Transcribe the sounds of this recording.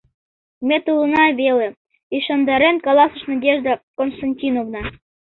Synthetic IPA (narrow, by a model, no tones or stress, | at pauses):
met̪ulɤnɑβele | iʃɑnd̪ɑɾenkɑlɑsə̆ʃnɑdʲeʒd̪ɑkonst̪ɑnʲtʲinovnɑ